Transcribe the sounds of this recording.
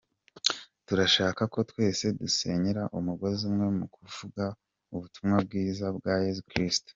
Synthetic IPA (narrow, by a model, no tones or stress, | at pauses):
tuɾaʃaːkako̞twe̞ːse̞duse̞ɲiɾaʔumuɡo̞zimŋe̞mukuvuɡa | uβutumŋab̚ɡiːzabɡaje̞zukɾistu̥